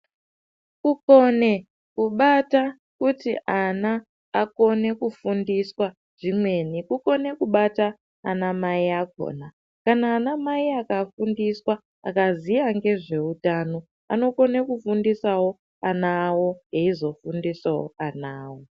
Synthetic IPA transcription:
kuko̞ne̞ | kuɓata | kutḭʔanaː | ko̞ne̞kufundiswa | ʐ̥imwe̞nikuko̞ne̞kuɓata̰ː | namaiak̚o̰na | kanaːnamaiakafundiswa | a̰kazijaŋɡe̞ʐe̞utaːno̞ | a̰no̞ko̞ne̞kufundisawo̞ | anawo̞ɦeizo̞fundisawo̰anaːwo

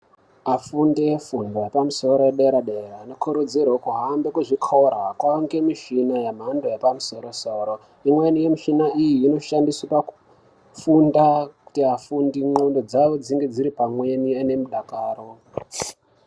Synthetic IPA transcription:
afundefundojepamuso̞ɾojeɗeɾaɗerainokʰuɾud͡zirokuɦambekuʐikʰorakwaŋɡe̞miʃinajam̤andojepamuso̞ɾosoːɾo | imwe̞nije̞miʃinaʔijiːno̞ʃandiswapaku̥ | fundaku̥tiafundimondo̞d͡zaʋo̞d͡ziŋɡe̞d͡ziɾipamwe̞niane̞muɗakaːro

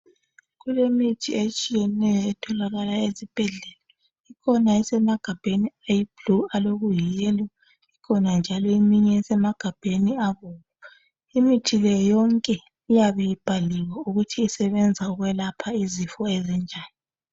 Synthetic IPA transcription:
ɣulemitʰiet͡ʃʼijɛnɛjɔɛtʰɔlaɣalaezib̥ʱɛɮɛla | ikʰɔnaisɛmaɡ̥ʱab̥ʱeniajb̥lualoɣujijɛla | ikʰɔnand͡ʒʱalɔimiɲɛɛsɛmaɡ̥ʱab̥ʱeniaβoːɣu | imitʰilɛjjɔŋkʼɛ | ijaβɛjib̥ʱaliwauɣutʰiːsɛβɛnd͡zʱauɣwɛlapʰaizifɔɛzind͡ʒʱaːni

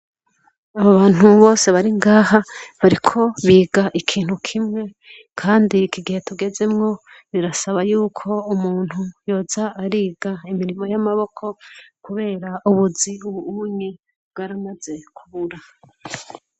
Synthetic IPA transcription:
aβaβaːn̥uβo̞ːse̞βaɾiŋɡaːɦaβaɾikʰo̞βiːɡaʔikʰiːn̥hukʰimŋe̞ | kʰaːndikiɡihe̞tuɡe̞ze̞mŋo̞ | βiɾasaβajuːkʰo̞umuːn̥hujo̞ːzaːɾiːɡaimiɾimo̞jamaβo̞kʰo̞kuβe̞ːɾaʔuβuziuβuuɲe | bɡaɾamaze̞kʰuβuɾa

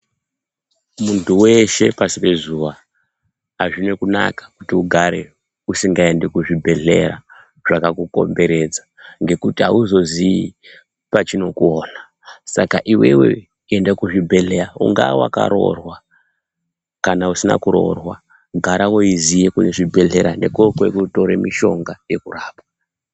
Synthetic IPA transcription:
muntuwe̞ʃe̞pasipe̞zuʋa | ɦaʐino̞kuna̰kḁkutiuɡʱaɾe̞ | usiŋɡae̞nde̞kuʐibʱe̞ɮe̞̰ra | ʐ̥akakuko̞̰mbe̞ɾe̞d͡zaŋɡe̞kutiɦauzo̞zii | pat͡ʃino̞kuoːna | sakaʔiwe̞we̞̰ | endakuʐibʱe̞ɮeɾauŋɡawa̰ka̰ɾo̞̰rwa | kanausina̰kuɾo̞̰rwa | ɡʱaɾawo̞izijekuneʐibʱe̞ɮe̞ɾane̞̰kokwekuto̞ɾe̞miʃo̞ŋɡaje̞kuraːpwa

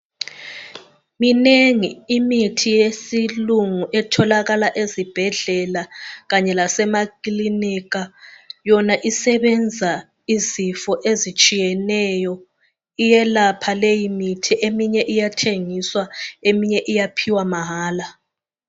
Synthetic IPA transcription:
mineŋiːmitʰijesiluŋuʔɛtʰɔlaɣalaʔezib̥ʱɛɮɛlaɣaɲɛlasɛmakʼiliniɣajɔnaʔisɛβɛnd͡zʱa | izifɔʔezit͡ʃʼijɛnɛjɔ | ijɛlapʰalejimitʰiʔemiɲɛʔijatʰeŋiswaemiɲɛʔijapʰiwamaɦaːla

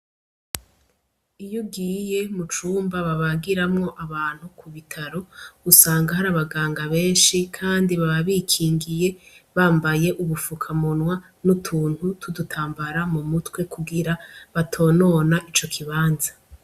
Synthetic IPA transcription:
ijuɡiːje̞mut͡ʃuːmbaβaβaɡiɾamŋo̞ʔaβaːn̥hukʰuβitʰaɾo̞ɡ̥usaːŋɡahaɾaβaɡaːŋɡaβe̞ːnʃikʰaːndiβaβaβikʰiːŋɡije̞βaːmbaje̞ʔuβufukʰamonwa | nutʰuːn̥hutʰudutʰaːmbaɾamumutwe̞kʰuɡiɾaβatʰo̞ːno̞naʔit͡ʃo̞kʰiβaːnza

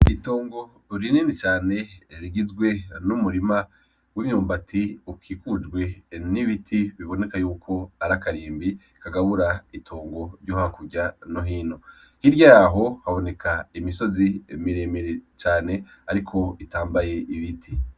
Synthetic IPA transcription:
itoːŋɡo̞ | ɾininit͡ʃaːne̞ɾiɡizɡwe̞numuɾima | wimɲuːmbatʰiukʰiːkud͡ʒɡwe̞niβitʰiβiβo̞ne̞kajuːkʰo̞aɾakaɾiːmbiikaɡaβuɾaitʰoːŋɡo̞ɾjoːhakuɟanoɦiːno̞ | hiɾjaɦo̞haβo̞ne̞kʰaimiso̞zimiɾeːmeɾet͡ʃaːne̞ | aɾikʰo̞itaːmbaje̞ʔiβitʰi

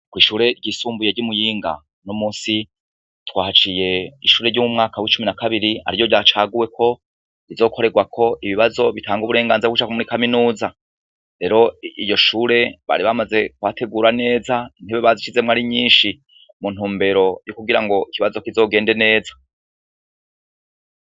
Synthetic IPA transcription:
kwiːʃuːɾe̞ɾɟiːsuːmbujeɾɟumujiːŋɡa̰ | nomuːnsi | twaːhat͡ʃije̞iʃuːɾe̞ɾɟumumŋaːkawit͡ʃuminakaβiɾia̰ɾijo̞ɾɟaːt͡ʃaːɡuwe̞kʰo̞ | izo̞ːkʰo̞ɾe̞ɡwakʰo̞ʔiβiβazo̞βitaːŋɡuβuɾe̞ːŋɡaːnzeɡut͡ʃakomuɾikaminuːza | ɾe̞ɾo̞ijo̞ʃuɾe̞βa̰ɾiβamaze̞kwatʰe̞ɡuːɾane̞ːzain̥heβeβazit͡ʃize̞mŋaɾiɲiːnʃi | mun̥uːmbe̞ɾo̞jukuɡiɾaŋɡo̞ikiβazo̞kizo̞ːɡe̞ːnde̞ne̞ːza

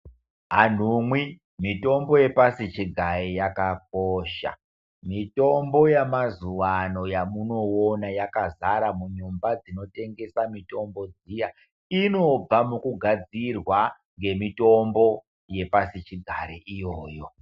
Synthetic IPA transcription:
ɦan̤umwi | mito̞mbo̞je̞pasit͡ʃiɡʱaɾijakak̚oʃa̰ | mito̞mbo̞jamazuwano̞jamuno̞onajakazaɾamuɲumbad͡zino̞te̞ŋɡe̞samito̞mbo̞d͡zija | ino̞b͡vamukuɡʱad͡zirwa | ŋɡe̞mito̞mbo̞ | je̞pasit͡ʃiɡʱaɾiʔijoːjo̞

